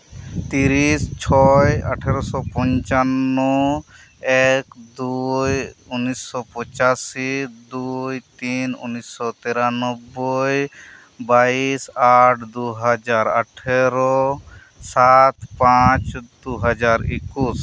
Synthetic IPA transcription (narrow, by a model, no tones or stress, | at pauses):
t̪iɾist͡ʃʰɔja̰ʈʰeɾɔsɔpɔ̃ɲt͡ʃanːɔ | ɛkd̪ujunːisːɔpɔt͡ʃasid̪ujt̪inṵnːisːɔt̪ɛɾanɔbːɔj | baisaʈʰd̪uɦad͡ʒaɾa̰ʈʰeɾɔ | sat̪pãt͡ʃd̪uɦad͡ʒaɾḛkus